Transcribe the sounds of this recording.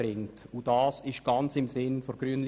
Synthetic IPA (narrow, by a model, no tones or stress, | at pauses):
ɾɪŋtudɑːsɪʃɡ̥ɑnt͡sɪmsɪnfoɡ̥ryənl